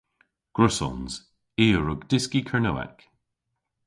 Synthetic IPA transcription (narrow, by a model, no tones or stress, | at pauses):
ɡ̥ɹʊsɔ̰nz̥ | iːəɹʊɡd̥ɪskikʰəɹnowɛ̰k